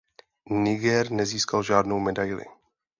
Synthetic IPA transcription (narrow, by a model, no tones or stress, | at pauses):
nɪɡɛɾnɛziːskalʒaːdnowmɛdajlɪ̰